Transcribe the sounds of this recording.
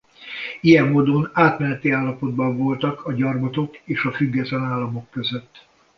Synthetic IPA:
ijɛmːoːd̪o̞naːt̪mɛnɛt̪iaːlːɒpo̞d̪bɒɱvo̞lt̪ɒkʰɒɟɒrbot̪o̞keːʃɒfyɡːɛt̪lɛnaːlːɒmo̞kːø̞zø̞t̪ː

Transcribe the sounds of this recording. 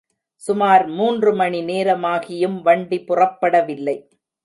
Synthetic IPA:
sʊmaːɾmuːndrɯmɐɳineːɾɐmaːɣɪjɯmʋɐɳɖipʊrɐpːɐɽɐʋɪlːɐɪ

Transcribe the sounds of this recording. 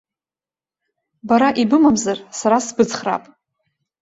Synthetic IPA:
baɾaʔibɨmamzarsaɾasbɨt͡sχra̰pʼ

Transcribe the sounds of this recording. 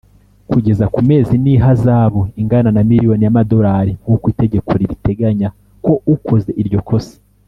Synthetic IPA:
kuɟe̞zakume̞ːziniːɦazaːβo̞iŋɡananamiɾijo̞nijamado̞ɾaːɾiŋɡukwiːte̞ɟe̞kʰo̞ɾiɾite̞ɡaɲa | ko̞ukʰo̞ze̞ʔiɾɟo̞kʰo̞se̥

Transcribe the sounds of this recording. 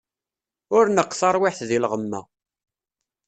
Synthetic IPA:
ʊɾnəqːθɑɾˤwɪħθðilʁəmːæ̰

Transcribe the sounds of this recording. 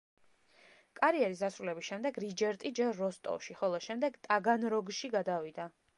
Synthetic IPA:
kʼaɾiɛɾisd̪asɾulɛbisʃɛmd̪ɛɡɾid͡ʒɛɾt̪ʼid͡ʒɛɾːɔst̪ʼɔ̰ʃiχɔlˠɔʃɛmd̪ɛɡt̪ʼaɡanɾɔɡʃiɡad̪avid̪a

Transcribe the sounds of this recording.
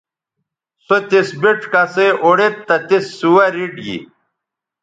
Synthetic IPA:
sot̪isbiʈkɐseʔoɽet̪ːɐt̪isːuwɐɾiɖɡḭ

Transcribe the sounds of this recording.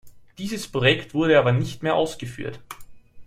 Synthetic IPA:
d̥iːzəspʁ̥ojɛktv̥ʊɐɾəaːbɐnɪçtmeːɐʔaʊsɡ̥əfy̰ːɐt

